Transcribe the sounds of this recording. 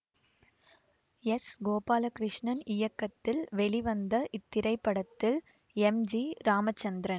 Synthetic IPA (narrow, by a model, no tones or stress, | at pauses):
ɛsɡoːpaːlɐkɪɾɪʂɳɐnɪjɐkːɐt̪ːɪlʋɛɭiʋɐnd̪ɐʔɪt̪ːɪɾɐɪpːɐɽɐt̪ːɪl | ɛmd͡ʒiɾaːmɐt͡ʃːɐnd̪ɪɾɐn